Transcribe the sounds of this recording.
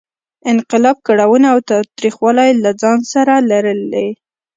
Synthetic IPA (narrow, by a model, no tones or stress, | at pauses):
ɪnqɪlɑb̚kaɽawənaːwt̪ɑt̪ɾixwɑlajlad͡zɑnsaɾalaɾəld̪e